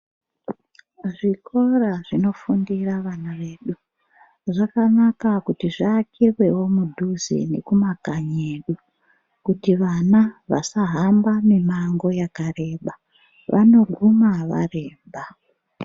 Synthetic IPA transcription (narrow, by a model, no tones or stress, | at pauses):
ʐiko̞raʐino̞fundiraʋanaʋe̞ːɗu | ʐakanakakutiʐaːkʰirwe̞wo̞mudʱuzḛne̞̰kumakaɲe̞ːɗu | kutiʋanaʋa̰saɦambamimaŋɡo̞jakare̞ːɓa | ʋʔano̞ɡʱumaʋa̰re̞ːmba